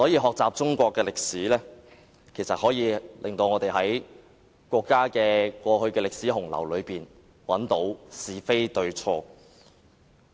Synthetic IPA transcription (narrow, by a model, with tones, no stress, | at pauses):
sɔː˨˥jiː˧ɦɔː˨k̚t͡saː˨p̚t͡sʊ˥ŋkʷɔː˧kːɛː˧lɪ˨k̚siː˨˥lɛː˥ | kʰe˨˩jsɐ˨t̚hɔː˨˥jiː˨˧lʔɪ˨˩ŋt̪o˧wŋɔː˨˧t̪e˨jɦɐ˨˥j | kʷɔː˧kːaː˥kɛː˧kʷɔː˧hɵ˧ɥkɛː˧lɪ˨k̚siː˨˥ɦʊ˨˩ŋlɐ̰˨˩wlɵ˨˧ɥpiː˨n | wɐ˨˥nt̪o˨˥wsiː˨˩fe˥jt̪ɵ˧ɥt͡ʃʰɔː˧